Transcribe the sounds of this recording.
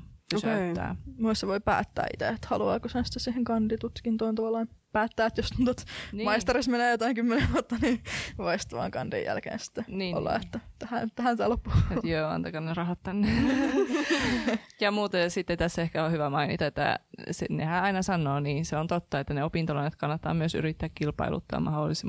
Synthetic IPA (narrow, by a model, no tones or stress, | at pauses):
oset̪ːæ̰ːmusseʋoipæ̰ːt̪ːæ̰ːʔḭt̪ḛet̪hɑluɑ̰ːkoshænsi̥t̪ːesiːheŋkɑndit̪ut̪kint̪oːnt̪ɑʋɑlːˑɑːnpæːt̪ːæːet̪jost̪unt̪ot̪nmɑist̪ɑrismenæːjot̪ɑiŋkymːeneʋuot̪ːɑniːʋoist̪ʋɑ̰ːŋkɑ̰nd̥ḭjjæ̰lkḛːnsi̥t̪ːeniːo̰lːɑ̰et̪ːæt̪ːæhæt̪æhænt̪æːlopːuet̪jøːɑ̰nt̪ɑkɑnnerɑhɑt̪t̪ænːe | jɑmuːt̪ejɑsit̪ːet̪æsːehkæohyʋæmɑinḭt̪ɑet̪ːæ̰senḛhæːɑinɑsɑnːoːniːnseont̪ot̪ːɑet̪ːæneopint̪olɑnːet̪kɑnːɑt̪ːɑ̰ːmyøsy̰ɾit̪ːæːkkilpɑ̰ilṵt̪ːɑ̰ːmɑ̰holːisim